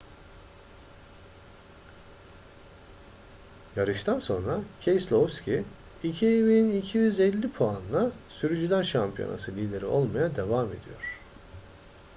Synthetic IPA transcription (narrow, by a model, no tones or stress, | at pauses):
jaɾɯʃt̪ʰanso̞̰nɾacʰejslˠofscʰi | icʰievejinicʰijyzɛlʲːipʰoanlˠasyɾyd͡ʒyd̪ænʃampʰijo̞̰na̰sɯlʲiːd̪e̞ɾḭʔo̞lˠmajad̪e̞vame̞̰d̪ijo̞ɾ̥